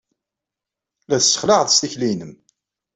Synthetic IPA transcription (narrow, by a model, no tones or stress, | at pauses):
læθsːə̥χləʁðˤst̪içlinəm